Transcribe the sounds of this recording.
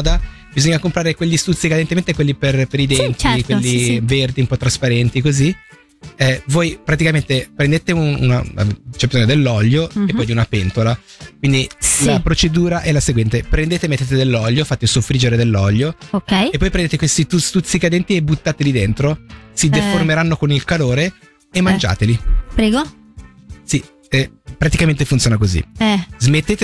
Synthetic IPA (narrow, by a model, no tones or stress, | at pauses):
d̪a | bizoɲːakompɾaːɾekwelʎːist̪ut̪sːikad̪ent̪ement̪ekwelːiperpeɾid̪ɛnt̪ikwelːiverd̪iumpɔt̪ːɾaspaɾɛnt̪ikozi | ɛvojpɾat̪ikament̪epɾend̪eːt̪eunṵna̰a̰t͡ʃɛbizoɲod̪elːɔʎːoepːɔjunapent̪ola | kwind̪ilapɾot͡ʃed̪uːɾaʔɛlaseɡwɛnt̪epɾend̪eːt̪emet̪ːeːt̪ed̪elːɔʎːofat̪ːesofɾid͡ʒeɾed̪elːɔʎːookɛjepːɔjpɾend̪eːt̪ekwest̪it̪ust̪ut̪sːikad̪ɛnt̪iebut̪ːaːt̪elid̪ent̪ɾosid̪eformeɾanːokonilkaloːɾe | emːand͡ʒa̰ːt̪elipɾɛːɡo | si | ɛpɾat̪ikament̪efunt̪jonakozḭɛzmet̪ːeːt̪